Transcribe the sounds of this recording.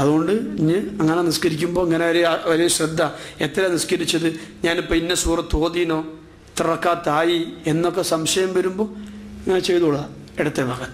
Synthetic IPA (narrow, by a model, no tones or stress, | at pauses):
ɐðuɣo̞ɳɖɨiɲːɨɐŋːɐneniskɐɾikʲːumbo̞ːiŋːɐneoɾeoɾeɕrɐd̪ʱːɐe̞t̪ːɐɾeniskɐɾit͡ɕːɐðɨɲaːnipːoinːesuːrɐt̪o̞ːðijno̞ː | t̪irɐkːaːt̪aːjie̞nːo̞kːesɐmɕɐjɐmʋɐɾumbo̞ːiŋːɐnet͡ɕejt̪uɭːɐeɽɐt̪ːebʱaːɡɐt̪ːɨ̥